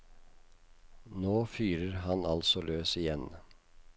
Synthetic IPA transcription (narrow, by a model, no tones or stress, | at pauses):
noːfyːɾəɾhɑnɑlsɔløːsɪjɛn